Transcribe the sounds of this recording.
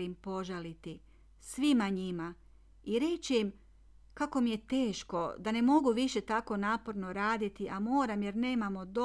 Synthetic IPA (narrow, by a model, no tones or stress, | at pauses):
impo̞ʒalit̪i | sʋimaɲima | iɾe̞t͡ɕeim | kako̞mije̞t̪e̞ːʃko̞d̪ane̞mo̞ɡuʋiʃe̞t̪ako̞naːpo̞ɾno̞ɾaːd̪it̪iʔamo̞ːɾamje̞ɾne̞ːmamo̞d̪o